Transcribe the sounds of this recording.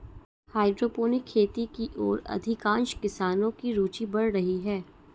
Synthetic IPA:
haːɪɖɾoːpoːnɪkʰːeːt̪ikiʔɔ̰ːɾɐ̰d̪ʱɪkãːnʃkɪsaːnõkiɾuːt͡ʃibɐɽɾɐɦiɦɛː

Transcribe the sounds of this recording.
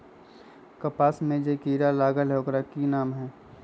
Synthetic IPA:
kɐpaːsmẽd͡ʒekiːɾalaːɡəlɦokɾakinaːmɦɛː

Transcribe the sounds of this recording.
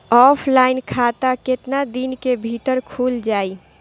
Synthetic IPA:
ɔpʰlainkʰat̪aket̪nad̪inkebʱiʈəɾkʰuld͡ʒai

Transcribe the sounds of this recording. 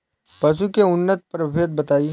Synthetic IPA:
pɐʃ̬ukeʊnːət̪̚pɐɾbʱeːt̪̚bɐt̪aːi

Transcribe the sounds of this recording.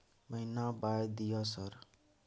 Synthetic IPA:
bʌjnabajd̪ijʌsʌɾ

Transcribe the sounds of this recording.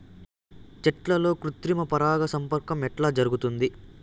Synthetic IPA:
t͡ʃɛʈlɐlo̞ːkɾut̪ɾimɐpɐɾaːɡɐsɐmpɐɾkɐmɛʈlaːd͡ʒɐɾuɡut̪und̪i

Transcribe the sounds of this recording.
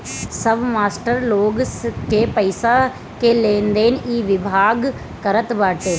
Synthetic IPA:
səbmaːsʈəɾloːɡskeːpəɪsa | keːlẽːnd̪eːnʔiːʋɪbʱaːɡ | kəɾət̪ʋaːʈeː

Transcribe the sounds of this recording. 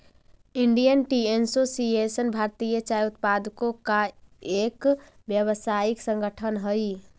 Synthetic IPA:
iɳɖijənʈiensosiesənbʱaɾt̪ijət͡ʃajut̪̚pad̪ʱkokaek | bjəβəsaiksə̃ŋɡəʈʰənɦəj

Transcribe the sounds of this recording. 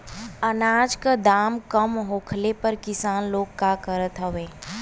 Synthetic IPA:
ənaːd͡ʒkad̪aːmkəmɦoːkʰlepəɾkɪsaːnloːɡkːakəɾət̪ɦəʋeː

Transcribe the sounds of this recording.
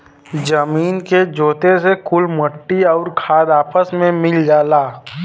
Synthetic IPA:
d͡ʒəmiːnked͡ʒoːt̪esekʊlməʈːiɔːɾkʰaːd̪aːpəsmẽmɪld͡ʒaːlaː

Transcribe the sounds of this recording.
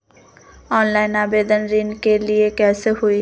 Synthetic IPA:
ɔnlajnabed̪anɾinkelijekɛseɦoj

